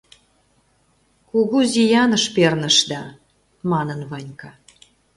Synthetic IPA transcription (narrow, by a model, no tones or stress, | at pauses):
kuɣuzijɑnəʃpernə̆ʃd̪ɑ | mɑnənvɑnʲkɑ